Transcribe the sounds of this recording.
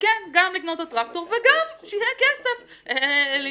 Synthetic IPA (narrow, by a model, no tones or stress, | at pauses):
kɛnɡamliknot̪atʁak̚toʁveɡamʃejɛkɛsef | li